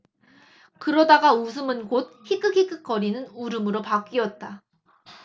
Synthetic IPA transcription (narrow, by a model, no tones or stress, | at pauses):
kɯɾʌdaɡaus̬ʰɯmɯnkot̚hik͈ʰɯkʰik͈ʰɯk͈ʌɾinɯnuɾɯmɯɾopak͈iʌt̚t͈a